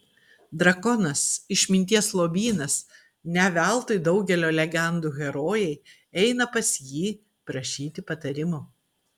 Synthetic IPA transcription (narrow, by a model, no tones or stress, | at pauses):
d̪ɾɐkɔnɐsɪʃʲmʲɪnʲt̪ʲiɛslˠoːbʲiːnɐs | nʲɛʋʲælˠt̪ɐɪd̪ɒʊɡʲɛlʲoːlʲɛɡʲɛnd̪uːɣʲɛɾoːjɛɪ | ɛɪnɐpɐsʲjiː | pɾɐʃʲiːt̪ʲɪpɐt̪ɐɾʲɪmo